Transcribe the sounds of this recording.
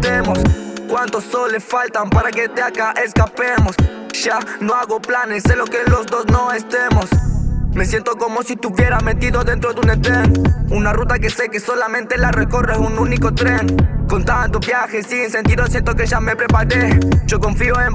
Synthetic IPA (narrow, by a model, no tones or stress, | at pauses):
t̪emoskwant̪osːolesfalt̪ampaɾaket̪eakaʔeskapemos | ʒ̥ano̞aɣoplanesːelokelo̞zd̪o̞sno̞est̪emosme̞sjent̪o̞ko̞mosit̪uβje̞ɾament̪iðoðe̞nt̪ɾodunet̪ɾenunarut̪akese̞keso̞lamẽnt̪elareko̞resununiko̞t̪ɾeŋkont̪ant̪oβjaxesinse̞nt̪iðos̬je̞nt̪o̞keʒame̞pɾe̞paɾeʒ̥o̞ko̞ɱfioem